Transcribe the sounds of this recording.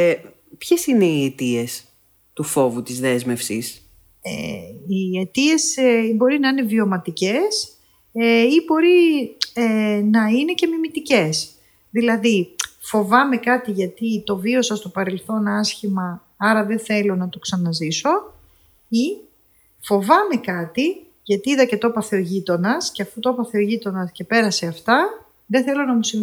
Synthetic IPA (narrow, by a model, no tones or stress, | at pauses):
pçe̞sine̞iet̪ie̞s | t̪ufo̞vut̪izðe̞zme̞fsḭs | ḛiet̪ie̞sibo̞ɾinɐine̞vio̞mɐt̪ice̞s | eibo̞ɾienɐine̞ce̞mimit̪ice̞s | ðilɐðifo̞vɐme̞kɐt̪iʝɐt̪it̪o̞vio̞sɐst̪o̞pɐɾe̞lθo̞nɐsçimɐ | ɐɾɐðe̞θe̞lo̞nɐt̪o̞ksɐnɐziso̞ | i | fo̞vɐme̞kɐt̪i | ʝɐt̪iiðɐce̞t̪opɐθeoʝit̪o̞nɐsceɐfut̪opɐθeoʝit̪o̞nɐsce̞pe̞ɾɐse̞ɐft̪ɐ | ðeθe̞lo̞nɐmusi